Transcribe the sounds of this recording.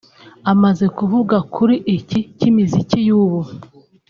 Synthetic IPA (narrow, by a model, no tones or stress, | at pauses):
amaze̞kuvuɡakʰuɾiʔicicimizicijuːβu